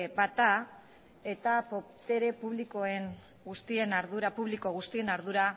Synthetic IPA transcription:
bat̪a | e̞t̪apo̞pt̪e̞ɾe̞puβliko̞e̞ŋ | ɡust̪ie̞naɾðuɾapuβ̞liko̞ɣ̞ust̪ie̞naɾðuɾa

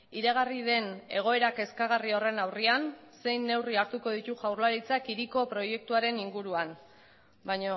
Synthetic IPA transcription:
iɾeɣ̞ariðe̞ne̞̰ɣ̞o̞e̞ɾake̞skaɣ̞ario̞re̞nawrianse̞jnːe̞wriaɾt̪uko̞ð̞it̪uʝawrlaɾit͡sakiɾiko̞pɾo̞je̞k̚t̪uaɾe̞niŋɡuɾuan | bajɲo

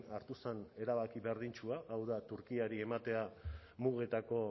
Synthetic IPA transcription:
aɾt̪usene̞ɾaβakiβeɾð̞int͡ʃuaʔːwðat̪uɾkiaɾie̞mat̪e̞a | muɣe̞t̪ako̞

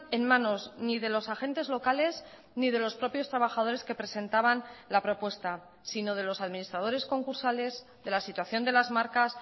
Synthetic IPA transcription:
e̞nmãno̞zniðe̞lo̞saxe̞nt̪e̞zlo̞kale̞z | nið̞e̞lo̞spɾo̞pjo̞st̪ɾaβaxað̞o̞ɾe̞ske̞pɾe̞sẽ̞nt̪aβanlapɾo̞pwe̞st̪a | sino̞ð̞e̞lo̞saðmĩnist̪ɾað̞oɾe̞sko̞ŋkuɾsale̞z | ðe̞lasit̪waθjo̞nd̪e̞lazmaɾkas

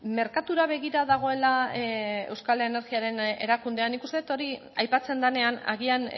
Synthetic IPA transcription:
me̞ɾkat̪uɾaβ̞e̞ɣiɾaðaɣ̞o̞e̞la | e̞̰wskalene̞ɾɣiaɾe̞ne̞ɾakund̪e̞anikust̪eet̪o̞ɾiajpat͡se̞nd̪ane̞ana̰ɣian

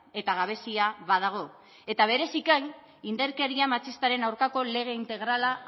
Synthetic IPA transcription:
e̞t̪aɣaβ̞e̞siaβað̞aɣ̞o̞ | e̞t̪aβ̞e̞ɾe̞sikan | ind̪eɾkeɾiamat͡sist̪aɾe̞nawɾkako̞le̞ɣ̞e̞int̪e̞ɣ̞ɾala

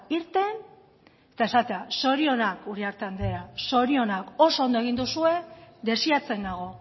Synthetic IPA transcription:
iɾt̪e̞n | et̪ae̞sat̪e̞aso̞ɾio̞nakuɾiaɾt̪eand̪e̞ɾaso̞ɾio̞nako̞so̞ond̪oe̞ɣ̞ind̪usue̞ðe̞siat͡se̞naɣ̞o̞

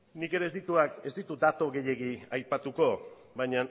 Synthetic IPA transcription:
nike̞ɾe̞ːzd̪it̪uake̞zd̪it̪ud̪at̪o̞ɣe̞je̞ɣiajpat̪uko̞ | bajɲan

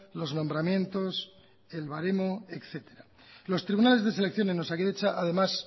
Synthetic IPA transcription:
lo̞zno̞mbɾamjẽ̞nt̪o̞s | e̞lβaɾemo̞e̞kθe̞t̪e̞ɾa | lo̞st̪ɾiβunalezðe̞s̬e̞le̞kθjo̞nenosakeðet͡ʃaʔaðemas

